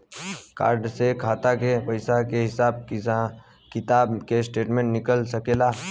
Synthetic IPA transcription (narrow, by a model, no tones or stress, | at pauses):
ka̰ːɾɖsekʰaːt̪akepəɪsakeɦɪsaːb̚ | kɪt̪aːbkesʈeːʈmẽɳʈnɪkəlsəkeːlaː